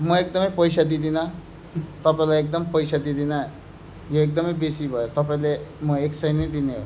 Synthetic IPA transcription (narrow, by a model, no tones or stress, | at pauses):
mʌek̚d̪ʌmʌjpʌjsad̪id̪ina | t̪ʌpaẽlaek̚d̪ʌmpəjsad̪id̪ina | joek̚d̪ʌmʌjbesibʱʌjot̪ʌpaĩlemʌeksʌinʌd̪ineɦo̰